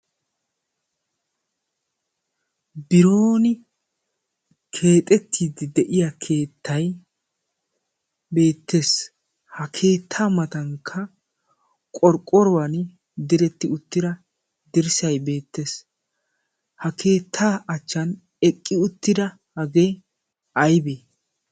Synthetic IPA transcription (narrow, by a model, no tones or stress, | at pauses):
bɪɾoːnɪ | kʰe̞ːt̪ʼɛt̪ʰːiːd̪ɪd̪ɛʔɪjɐkʰe̞ːt̪ːɐj | be̞ːt̪ːe̞ːs | hɐkʰe̞ːt̪ʰːaːmɐt̪ɐŋkʰːɐ | kʼɔɾkʼːɔɾɔwɐn | d̪ɪɾɛt̪ːɪʊt̪ːɪd̪ɐ | d̪ɪɾsɐjbe̞ːt̪ːe̞ːs | hɐkʰe̞ːt̪ʰːaːɐt͡ʃːɐn | ɛkʼːɪʊt̪ːɪd̪ɐ | hɐɡeː | ɐjbeː